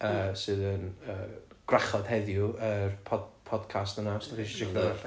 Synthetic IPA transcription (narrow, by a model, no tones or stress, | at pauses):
əːsɨːðənəːɡ̥raχɔð̥hɛðjʊərpʰɔdpʰɔd̥kʰastənasd̥aχiʃit͡ʃɪkʰnəɛɬ